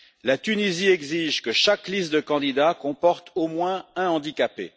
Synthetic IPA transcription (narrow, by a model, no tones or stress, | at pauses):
lat̪yniziɛɡziʒkəʃaklist̪̚d̪əkɑ̃d̪id̪akɔ̃pɔʁt̪omwɛ̃ɛ̃ɑ̃d̪ikapḛ